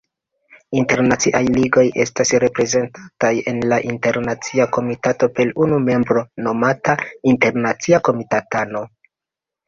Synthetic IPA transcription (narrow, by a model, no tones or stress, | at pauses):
inte̞ɾnat͡siʔajliɡo̞je̞stasɾe̞pɾe̞ze̞ntataje̞nlaʔinte̞ɾnat͡siako̞mitato̞pelunume̞mbɾo̞no̞matainte̞ɾnat͡siako̞mitatano̞